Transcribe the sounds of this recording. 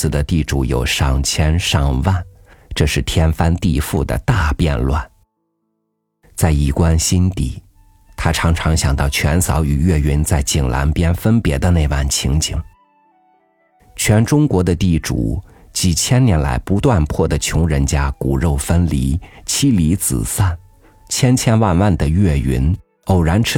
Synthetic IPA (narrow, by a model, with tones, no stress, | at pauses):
ɹ̩˧˩d̪ə˩t̪i˥˩ʈ͡ʂu˨˧˥jo̰˨˩ʊʂɑ˥˩ŋt͡ɕʰjɛ˥nʂɑ˥˧ŋwa˥˩n | ʈ͡ʂɤ˥˧ʂɻ̩˥˩t̪ʰjɛ˥nfa˥nt̪i˥˧fu˥˩d̪ə̰˩t̪a˥˧pjɛ̰˥˧nlwa̰˥˩n | t͡sa˥˩ɪi˥˨˩kwa˥nɕi˥nt̪ḭ˥˩ | t̪ʰa˥ʈ͡ʂʰɑ˧˥ŋʈ͡ʂʰɑ˧˥ŋɕjɑ˨˩ŋt̪ɑ˥˩ʊt͡ɕʰɥɛ˧˥nsɑ˧˥ʊy˨˩ɥɛ˥˩ɥi˧˥nt͡sa˥˩ɪt͡ɕi˨˩ŋla̰˧˥npjɛ˥nfə˥npjɛ˧˥d̪ə˧ne˥˧ɪwa˥˩nt͡ɕʰi˧˥ŋt͡ɕi˨˩˦ŋ | t͡ɕʰɥɛ˧˥nʈ͡ʂʊ˥ŋkwɔ˧˥d̪ə˧t̪i˥˩ʈ͡ʂṵ˨˩ | t͡ɕi˨˩t͡ɕʰjɛ˥nnjɛ˧˥nla̰˧˥ɪpu˧˥t̪wa˥˧npʰwɔ˥˩d̪ə˩t͡ɕʰjʊ˧˥ŋɻə˧˥nt͡ɕja˥ku˨˩ɻo˥˩ʊfə˥nli˧˥t͡ɕʰi˥li˧˥t͡sɹ̩̰˨˩sa˥˩n | t͡ɕʰjɛ˥nt͡ɕʰjɛ˥nwa˥˧nwa˥˩nd̪ə˩ɥɛ˥˩y̰˧˥n | o˨˩ʊɻa˧˥nʈ͡ʂʰ